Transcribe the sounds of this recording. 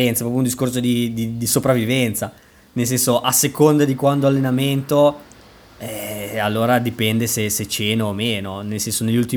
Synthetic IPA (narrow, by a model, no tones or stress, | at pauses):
ɛnt̪sapɾɔpjund̪iskorsod̪id̪id̪isopɾavːivɛnt̪sa | nels̬ɛnsoʔasekond̪ad̪ikwand̪oalːenament̪o | ɛalːoːɾad̪ipɛnd̪eseset͡ʃeːnoːmeːnonelsɛnsoneʎːult̪i